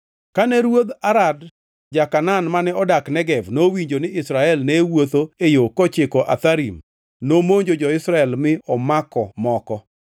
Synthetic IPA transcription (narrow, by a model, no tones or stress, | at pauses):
kanɛɾwod̪aɾad | d͡ʒakananmanɛɔdaknɛɡɛvnowiɲd͡ʒonɪɪsɾaɛlnewot̪oejokɔt͡ʃɪkɔʔa̰t̪aɾim | nomoɲd͡ʒod͡ʒɔɪsɾaɛlmɪɔmakɔmɔkɔ